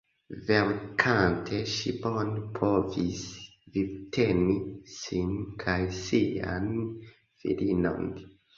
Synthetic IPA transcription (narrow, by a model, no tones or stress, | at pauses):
veɾkʰantʰeʃibonpʰovis | vibtʰenisinkʰajsia̰n | fḭɾino̰n